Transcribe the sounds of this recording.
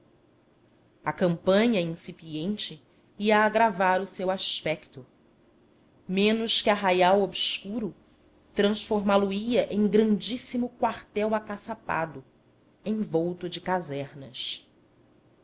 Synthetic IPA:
ɐkɐ̃mpɐ̃ɲɐĩsipiẽnt͡ʃɪ | iɐːɡɾavaɾʊsewaʃpɛkt̪ʊ | mẽnʊʃkɪɐɦajawobskuɾʊ | t̪ɾɐ̃sfoɾmaluiɐʔẽj̃ɡɾɐ̃nd͡ʒisimʊkwaɾt̪ɛwakasapa̰d̪ʊ | ẽj̃vowt̪ʊd͡ʒɪkazɛɾnɐs

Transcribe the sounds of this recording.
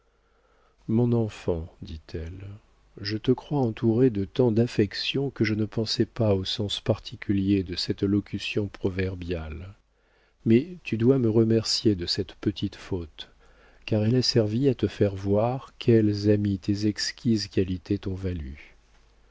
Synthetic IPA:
mɔ̃nɑ̃fɑ̃d̪it̪ʰɛl | ʒət̪əkχwaɑ̃t̪uʁed̪ət̪ɑ̃d̪afɛksjɔ̃kəʒənəpɑ̃sɛpaosɑ̃spaʁt̪ʰikʲʰyljed̪əsɛt̪lɔkʲysjɔ̃pχɔvɛʁbjal | mɛt̪yd̪waməʁəmɛʁsjed̪əsɛt̪pət̪ʰit̪fot̪ | kaʁɛlasɛʁviat̪əfɛʁvwaʁkʲʰɛlzamit̪ezɛkskʲizkalit̪ʰet̪ɔ̃valy̰

